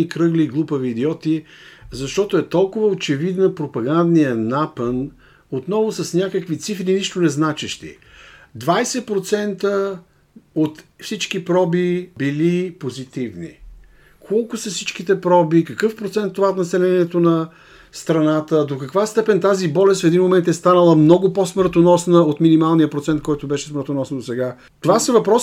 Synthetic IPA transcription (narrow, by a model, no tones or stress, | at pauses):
ikɾɤɡliɡlˠupəviːd̪iɔt̪izɐʃt̪ɔt̪oɛt̪ɔlˠkʊvəot͡ʃɛvid̪nəpɾopɐɡand̪nijənapən | ot̪nɔvʊsɐsnʲakəkvit̪sifɾiniʃt̪ʊnɛznat͡ʃɛʃt̪ḭ | d̪vajsɛpɾot̪sɛnt̪ə | ot̪fsit͡ʃkipɾɔbibilipozit̪ivnḭ | kʰɔlˠkʊsɐfsit͡ʃkit̪ɛpɾɔbikəkɤfpɾot̪sɛnt̪ːovaot̪nɐsɛlɛniɛt̪onɐ | st̪ɾɐnat̪əd̪okɐkvast̪ɛpɛnt̪azibɔlɛst̪fɛd̪inmomɛnt̪ɛst̪anəlˠəmnɔɡʊposməɾt̪onɔsnəot̪minimalˠnijəpɾot̪sɛnt̪̚kɔjt̪ʊbɛʃɛsməɾt̪onɔsnd̪osɛɡa | t̪ovasəvɐpɾɔs